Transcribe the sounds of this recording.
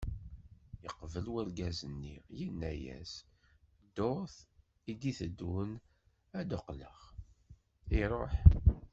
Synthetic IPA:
jəqvəlwəɾɡæzənːḭjənːæjæ̰s | d̪oɾθ | id̪iθəd̪ːun | æd̪oqləʁ | iɾˤoħ

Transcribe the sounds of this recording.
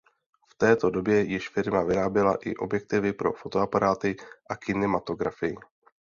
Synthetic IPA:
ft̪ɛːt̪o̞do̞bjɛjɪʃfɪɾmavɪɾaːbjɛla̰ʔɪ̰ʔo̞bjɛk̚t̪ɪvɪpɾo̞̰fo̞t̪o̞apaɾaːt̪ɪʔakɪnɛmat̪o̞ɡɾafɪjɪ

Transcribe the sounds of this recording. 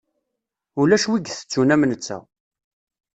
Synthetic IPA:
ulæʃwiɡθə̥t͡sːunæmnət͡sːæ̰

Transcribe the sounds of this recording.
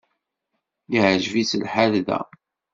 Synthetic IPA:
liʕʒvit͡səlħalðæ̰

